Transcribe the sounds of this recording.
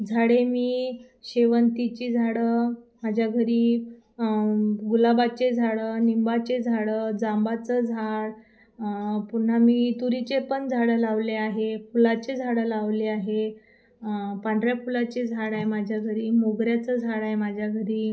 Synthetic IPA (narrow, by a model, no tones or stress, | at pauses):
d͡zʱaɽemiː | ɕeʋənt̪it͡ɕid͡zʱaɽəmad͡ʑʱjaɡʱəɾiː | ɡulabat͡ɕed͡zʱaɭənimbat͡ɕed͡zʱaɽəd͡zambat͡səd͡zʱaɽ | pun̤ːamiːt̪uɾit͡ɕepənd͡zʱaɽəlaʋleaɦepʰulat͡ɕed͡zʱaɽəlaʋleaɦe | paɳɖɾjapʰulat͡ɕed͡zʱaɽaemad͡ʑʱjaɡʱəɾiːmoɡɾjat͡səd͡zʱaɽaɦemad͡ʑʱjaɡʱəɾiː